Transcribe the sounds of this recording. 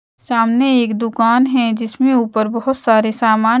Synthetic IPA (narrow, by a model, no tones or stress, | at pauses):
saːmneeːkd̪ʊkaːnɦɛ̃d͡ʒɪsmẽuːpəɾbɔɦʊt̪saːɾesaːmaː